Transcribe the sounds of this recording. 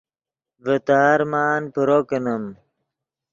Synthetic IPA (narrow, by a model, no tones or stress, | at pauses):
vət̪aːɾmaːnpuɾokənəm